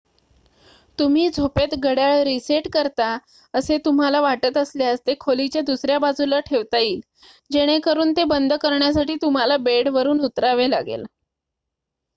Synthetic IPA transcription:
t̪um̤iːd͡zʱopet̪ɡəɽjaɭɾiseʈkəɾt̪a | əset̪um̤alaʋaʈət̪əsljast̪ekʰolit͡ɕjad̪usɾjabad͡zʱulaʈʰeʋt̪aiːl | d͡ʑeɽ̃ekəɾuːnt̪ebənd̪ʱkəɾɳjasaʈiːt̪um̤alabeɽʋəɾuːnut̪ɾaʋela̰ɡḛl

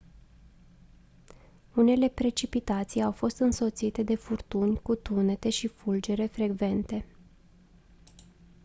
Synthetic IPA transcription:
une̞le̞pɾe̞t͡ʃipit̪at̪sijawfo̞st̪ɨnso̞t̪sit̪e̞d̪e̞furt̪unʲkut̪une̞t̪e̞ʃifuld͡ʒe̞ɾe̞fɾe̞ɡve̞nt̪e̞

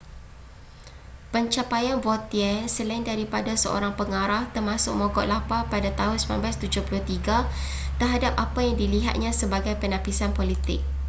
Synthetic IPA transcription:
pəɲt͡ʃapajanvɔt̪iɛsəlaɪndaɾipadasəo̰ɾaŋpəŋaɾaht̪ərmãsʊk̚moɡɔʔlapapadat̪aɦʊnsma̰nblast̪ud͡ʒʊhpulʊht̪iɡa | t̪ərɦadap̚apajaŋdiliɦa̰t̪̚ɲãsəbaɡajpənãpisanpolit̪ɪ̰k̚

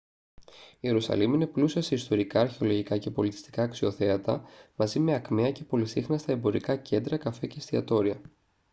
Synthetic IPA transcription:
ie̞ɾusɐ̰limine̞plusiɐse̞ist̪o̞ɾikɐːɾçe̞o̞lo̞ʝikɐce̞po̞lit̪i̥st̪i̥kɐːksio̞θe̞ɐt̪ɐmɐzime̞ɐkmeɐce̞po̞lisixnɐst̪ɐe̞mbo̞ɾikɐce̞nd̪ɾɐkɐfe̞cest̪iɐt̪o̞ɾiɐ

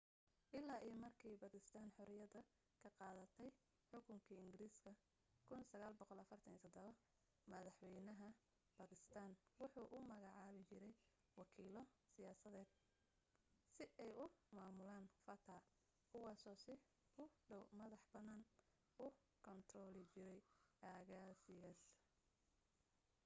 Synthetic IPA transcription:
ʔɪlːaːʔijmɐrkʰiːbɐkɪst̪ʰaːnħɔɾɪjɐðɐ | kʰɐqɑːðɐt̪ʰɛj | ħʊkʰʊŋkʰiːɪŋɡɪɾiːskʰɐ | kʰʊnsɐɣaːlbɔqɔlɐfɐrt̪ʰɐniːt̪ʰɔd̪ɔβɐ | mɐðɑħwɛjnɐɦɐ | b̥akʰɪst̪ʰaːnwʊħuːʔʊmɐɣɑʕɑːβɪt͡ʃɪɾɛj | wɑkʰiːlɔsɪjaːsɐðɛːd̪̥̚ | sɪʔɛjʊmaːmʊlaːnfɐt̪ʰaː | kʰʊwɑːsɔːsɪ | ʊɖɔwmɐðɑħbɐnaːn | ʊ | kʰɔnt̪ʰrɔːlɪt͡ʃɪɾɛjʔaːɣaːsɪɣas

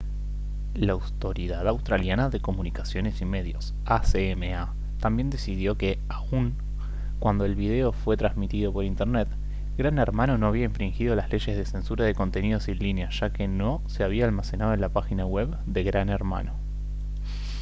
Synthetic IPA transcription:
laːwt̪o̞ɾiðaðawst̪ɾaljanaðe̞ko̞munikasjo̞ne̞sime̞ðjo̞s | aseemea | t̪ambje̞nd̪e̞sið̞jo̞ke̞ | auŋ | kwand̪o̞e̞lβið̞e̞ofwe̞t̪ɾazmit̪ið̞o̞po̞ɾint̪eɾnet̪ | ɡɾaneɾmano̞no̞aβiaeɱfɾiŋxið̞o̞lazle̞ʃe̞zð̞e̞se̞nsuɾaðe̞ko̞nt̪e̞nið̞o̞silineaʒ̥akeno̞se̞aβ̞iaːlmasenað̞oe̞nlapaxinaɣweβ | d̪e̞ɣɾaneɾma̰no̞

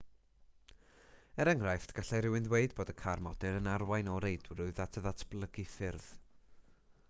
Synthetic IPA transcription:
ɛɾəŋrajftɡ̥aɬaɾɪwɪnðweɨdboːdəkʰarmɔdɨɾənarwajnɔɾejdwrʊɨðatʰəðatʰb̥lˠəɡiθɪrð̥

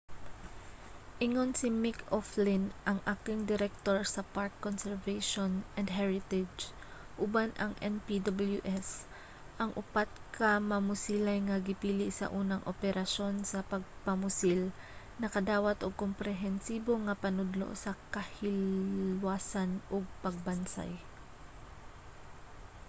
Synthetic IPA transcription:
ʔɪŋonsɪmɪkoflɪnʔɐŋʔaːkɪŋd̪ɪɾɛk̚t̪oɹsɐpaɹkːonsɛɹvejʃonʔɛnd̪ɦɛɹɪt̪ɛd͡ʒ | ʔʊbanʔɐŋʔɛnpid̪ɐbɐljuʔɛs | ʔɐŋʔʊpat̪̚kʰɐmɐmʊsiːlajŋɐɡɪpiːlɪʔsɐ̰ʔuːnɐŋʔo̰pɛɾɐʃo̞nsɐpɐɡ̚pɐmʊsil | nɐkɐd̪aːwɐt̪oɡ̚kompɾɛɦɛnsiːbo̞ŋɐpɐnʊd̪lo̰ʔsɐkɐhɪlwaːsanʔoɡ̚pɐɡ̚bɐnsa̰j

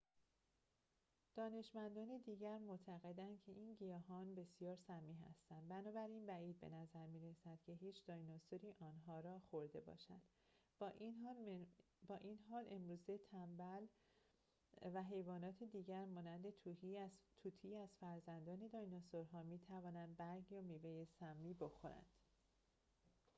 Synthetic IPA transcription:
d̪̥ɒːne̞ʃmænd̪ɒːned̪iːɟæɾmot̪ʰæɣe̞d̪æncʰe̞ʔiːnɟijɒːɦɒːnbe̞sijɒːɾsæmiːɦæ̰st̪ænd̪bænɒːbæɾinbæiːd̪̚be̞̰næzæɾmiːɾesæd̪̥̚cʲʰe̞ɦiːt͡ʃʰd̪ɒjnosoɾiːʔɒːnɦɒːɾɒːxoɾd̪e̞bɒ̰ːʃæd̪̥ | bɒːʔinɦɒːle̞mɾuːzet̪ʰæmbæl | væɦe̞jvɒːnɒːt̪ʰed̪iːɟæɾmɒːnænd̪e̞t̪ʰuːhit̪ʰuːt̪ʰiːæz̥fæɾzænd̪ɒːne̞d̪ɒjnosoɾɦɒːmiːt̪ʰævɒːnænd̪̚bæɾɡjɒmiːvejesæmːiːbo̞xo̞ɾæ̰nd̪̥

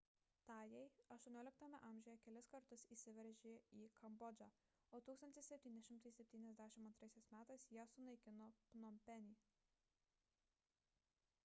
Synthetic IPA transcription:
t̪ɑːjɛɪɐʃt̪uɔnʲoːlʲɪk̚t̪ɐmʲɛ̰ʔɐːˑmʲʒʲojɛkʲɛlʲɪskɐɾt̪ʊsiːsʲɪʋʲɛɾʲʒʲeːiːkʰɐmbɔd͡ʒʲɑ | oːt̪uːkst̪ɐnʲt̪ʲɪssʲɛpʲt̪ʲiːnʲɛʃʲɪmt̪ɐɪsʲɛpʲt̪ʲiːnʲɛzʲd̪ʲæːʃʲɪmɐnt̪ɾɐɪsʲɛɪsmʲæːt̪ɐɪsjiɛsʊnɐɪkʲɪnoːpnɔmʲpʲɛnʲiː

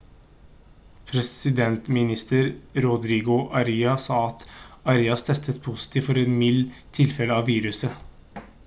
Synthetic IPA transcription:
pʰɾɛsɪd̪ɛnt̪mɪnɪst̪əɾɾʊd̪ɾiːɡʊʔɑɾiːɑsɑːɑt̪ɑɾiːɑst̪ʰɛst̪ət̪pʰusɪ̥t̪ʰiːʋfɔɾɛnmɪlːt̪ʰɪlfɛləɑʋʋiːɾʉsə

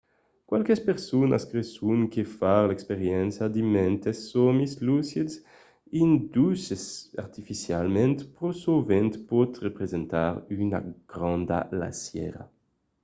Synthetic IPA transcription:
kwalkespeɾsuna̰skɾesuŋkefaɾlɛkspeɾjɛnsjad̪imɛnt̪esːɔmislusjeds | ind̪usesa̰ɾt̪ifisjalmẽnt̪pɾosovẽnt̪pɔt̪repɾezent̪aɾyna̰ɡ̥ɾãnd̪a̰la̰sjɛ̰ɾa̰

